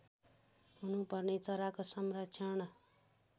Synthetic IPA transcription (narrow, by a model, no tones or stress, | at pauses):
ɦunupʌrnet͡sʌɾakosʌmrʌkːt͡sʰʌn